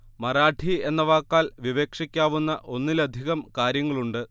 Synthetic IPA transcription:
mɐɾaːʈʰie̞nːɐʋaːkːaːlʋiʋeːkʂikʲːaːʋunːɐʔo̞nːilɐd̪ʱiɣɐmkaːɾjɐŋːɐɭuɳɖɨ

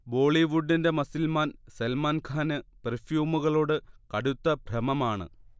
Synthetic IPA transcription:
bo̞ːɭiʋuɖːinde̞mɐsilmaːnsɐlmaːnkʰaːnɨperfjuːmuɣɐɭo̞ːɽɨkɐɽut̪ːɐbʱrɐmɐmaːɳɨ̰

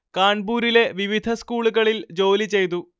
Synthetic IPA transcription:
kaːɳbuːɾile̞ʋiʋid̪ʱɐskuːɭuɣɐɭild͡ʑo̞ːlit͡ɕe̞jt̪̬u

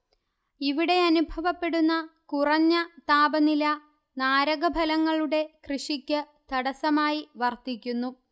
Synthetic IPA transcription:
iʋiɽe̞ɐnubʱɐʋɐpːe̞ɽunːɐkurɐɲːɐt̪aːbɐnilɐ | naːɾɐɣɐbʱɐlɐŋːɐɭuɽe̞krɨʂikʲːɨ | t̪ɐɽɐsɐmaːjiʋɐrt̪ikʲːunːu

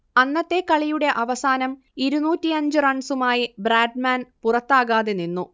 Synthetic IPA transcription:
ɐnːɐt̪ːe̞kɐɭijuɽe̞ʔɐʋɐsaːnɐm | iɾunuːtːiɐɲd͡ʑɨrɐɳsumaːjibraːɖmaːnpurɐt̪ːaːɣaːðeninːu

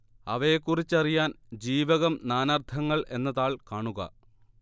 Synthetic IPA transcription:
ɐʋɐjekːurit͡ɕːɐrijaːn | d͡ʑiːʋɐɣɐmnaːnɐrt̪ʰɐŋːɐɭʔe̞̰nːɐðaːɭkaːɳuɣɐ̰

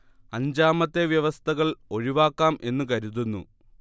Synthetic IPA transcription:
ɐɲd͡ʑaːmɐt̪ːe̞ʋjɐʋɐst̪ʰɐɣɐɭo̞ɻiʋaːkːaːme̞nːukɐɾuðunːu

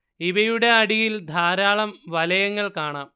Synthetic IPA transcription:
iʋɐjuɽe̞ɐɽijild̪ʱaːɾaːɭɐmʋɐlɐjɐŋːɐɭkaːɳaːm

